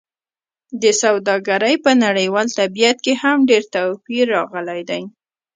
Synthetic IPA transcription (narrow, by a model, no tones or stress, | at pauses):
d̪əsawd̪ɑɡaɾəjpənaɽəjwɑlt̪abijat̪̚kehamɖeɾt̪awfiɾːɑɣəlajd̪aj